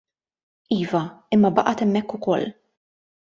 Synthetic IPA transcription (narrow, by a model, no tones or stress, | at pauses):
iːvɐɪmːɐbɐʔɐt̪ɛmːɛkːʊkɔlː